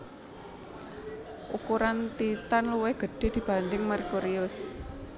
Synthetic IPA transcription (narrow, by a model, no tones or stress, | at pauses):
ʔukuɾant̪it̪anluweɡ̥ə̤ɖ̥e̤d̪̥i̤b̥ä̤nd̪ɪŋmarkuɾiʊs